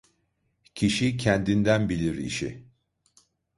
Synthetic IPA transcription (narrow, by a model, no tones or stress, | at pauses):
cʰiʃicʰɛnd̪ind̪ænbilʲiɾḭʃḭ